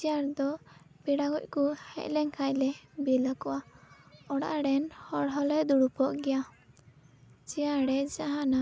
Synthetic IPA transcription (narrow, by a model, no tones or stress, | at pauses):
d͡ʒiaɾd̪ɔ | bɛɽaɡɔc̚ˀkuhɛ̰c̚lɛŋkʰajlɛbɛlakɔwa | ɔɽa̰ʔɽɛnhɔɽɦɔlɛd̪uɽupɔʔɡɛja | t͡ʃijaɽɛd͡ʒaɦana